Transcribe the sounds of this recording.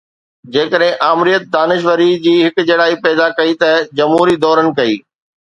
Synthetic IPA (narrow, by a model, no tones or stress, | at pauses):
d͡ʑeːkəɗɦɪ̃ʔaːmɾijət̪̚d̪aːnɪʃʋəɾid͡ʑiːɦɪkd͡ʑɐːɽaːipɛːd̪akɐit̪ɐd͡ʑɐmɦuːɾid̪ɔːɾənɪ̆kɐiː